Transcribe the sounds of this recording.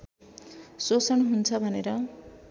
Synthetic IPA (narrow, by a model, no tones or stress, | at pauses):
sosʌnɦunt͡sʰʌbʱʌneɾʌ